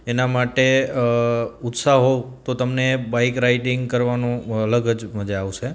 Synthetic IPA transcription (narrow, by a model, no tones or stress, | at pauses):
enamaʈe | ʊt̪saɦot̪ot̪əmnebaɪkɾaiʈɪŋɡkəɾʋanũələɡəd͡ʒməd͡ʒeaʋʃe